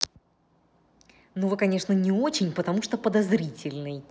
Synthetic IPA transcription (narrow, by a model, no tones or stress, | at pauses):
nuvɨkɐnʲe̞ʂnənʲɪo̞t͡ɕɪnʲpət̪ɐmuʂt̪opəd̪ɐzɾʲitʲɪlʲnɨj